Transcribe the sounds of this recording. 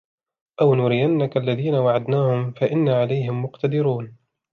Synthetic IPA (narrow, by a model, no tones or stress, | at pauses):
ʔawnuːɾɪjanːakaʔlːaðiːnawaʕad̪naːhʊmfaʔɪnːaʕalajhɪmːʊqt̪ad̪ɪɾuːn